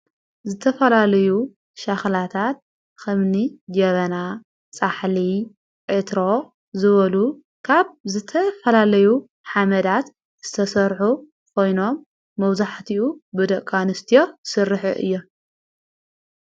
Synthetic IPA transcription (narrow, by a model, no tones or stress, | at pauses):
zɨt̪ʰɐfɐlalɐju | ʃaxlat̪ʰat̪̚ | kɐmnid͡ʒɐβɐna | t͡sʼaħli | ʕɨt̪ɾo̞ | zɨβɐlu | kʰaβzɨt̪ʰɐfɐlalɐju | ħamɐd̪at̪ | z̥ɨt̪ʰɐsɐɾħu | kʰo̞jno̞mː | ɐwzaħt̪ʰiʔubɨd̪ɐʔkʼanɨst̪ʰijo̞sɨrːɨħɨ̰ʔɨ̰jːo̞